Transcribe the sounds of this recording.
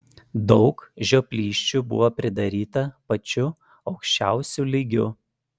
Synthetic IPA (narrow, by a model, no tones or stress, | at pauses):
d̪ɒʊkʒʲoːpʲlʲiːʃʲt͡ʃʲubʊ̰ʋoːpʲɾʲɪd̪ɐɾʲiːt̪ɐpɐt͡ʃʲʊ | ɒʊkʃʲt͡ʃʲæˑʊsʲulʲiɡʲʊ